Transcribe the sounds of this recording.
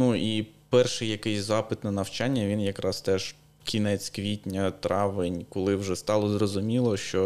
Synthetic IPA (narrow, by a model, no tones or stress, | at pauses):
nuipɛrʃɪjɐkɪjsʲzɑpɪt̪nɐnɐwt͡ʃɑnʲːɐʋʲinjɐkɾɑst̪ɛʒ | kʲinɛt͡sʲkʋʲitʲnʲɐt̪ɾʔɑʋɪnʲkʊlˠɪwʒɛst̪ɑlˠɔzrɔzʊmʲilˠɔʃt͡ʃɔ